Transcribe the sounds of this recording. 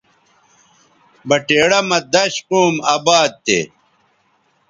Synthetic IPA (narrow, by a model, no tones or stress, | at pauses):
bɐʈeːɽɐmɐd̪ɐɕquːmaːbaːd̪̚t̪ḛ